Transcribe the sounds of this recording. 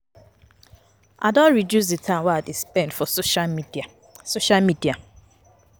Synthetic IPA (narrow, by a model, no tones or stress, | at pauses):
ʔadɔ̃nɹidjus̬dɪtʰãmwaadespɛ̃ndfɔ | soʃalmidia